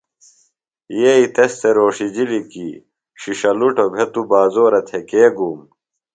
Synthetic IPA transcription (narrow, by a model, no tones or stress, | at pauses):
jeːit̪est̪ʰeɾoːʂid͡ʑiliki | ɕiɕɐluʈobʱet̪ubaːzoːɾɐt̪ʰekeːɡuːm